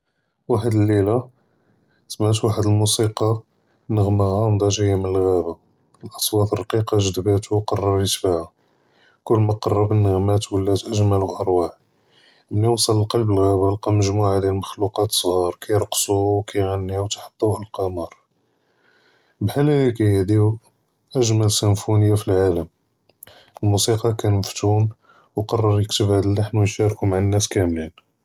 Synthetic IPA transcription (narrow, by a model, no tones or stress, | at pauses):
waħəd̪əlːilæ | smæt̪waħəd̪əlmusiqɑ | nəɣməɣæmd̪ˤæʒəjːmənəlɣæba | lʔɑ̥sˤwɑt̪ərˤɑqiqɑʒəd̪bæt̪uqɑrˤːɑɾit̪fihæ | kʊlːmæqɑrˤːɑbənːəɣmæt̪wəlːæt̪ʔəʒmæluʔɑɾˤwaħ | mniwɑsˤələlqɑlbəlɣæbəlqɑməʒmuʕad̪ilməxluqɑt̪sˤɣɑɾˤkæjɾəqsuwkʰæjʕanːiwt̪ħɑ̥t̪ˤːuʔəlqɑmɑɾˤ | bħalælækæjhd̪i | ʔəʒmælsənfunəjːafilʕaləm | əlmusiqɑkænməft̪um | wqɑrˤːɑɾjəkt̪əbhæd̪əlːaħnwənʃæɾkumaʕənːæskæmlin